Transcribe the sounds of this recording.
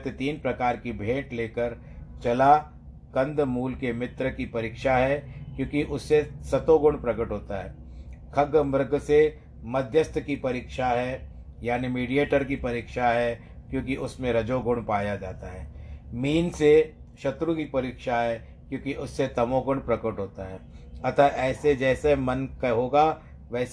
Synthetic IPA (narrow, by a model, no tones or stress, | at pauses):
t̪et̪iːnpɾɐkaːɾkibʱẽːʈleːkəɾ | t͡ʃɐla | kɐ̃nd̪ʱmuːlkemɪt̪ɾəkipɐɾiːkʃaɦɛkjõːkiʔʊsːesɐt̪oɡʊɳpɾɐkəʈɦoːt̪aɦɛ̰ː | kʰɐɡəmɐɾɡʱse | mɐd̪ʱjəst̪ʰkipɐɾiːkʃaɦɛ | jaːnimiːɖijeːʈəɾkipɐɾiːkʃaɦɛ | kjõːkiʔʊsmẽɾɐd͡ʒoɡʊɳpaːjad͡ʒaːt̪aɦɛːmiːnse | ʃɐt̪ɾukipɐɾiːkʃaɦɛ | kjõːkiʔʊsːet̪ɐmoːɡʊɳɖpɾɐkəʈɦoːt̪aɦɛːɐt̪aʔɛːsed͡ʒɛːsemɐnkaɦoːɡa | ʋɛːs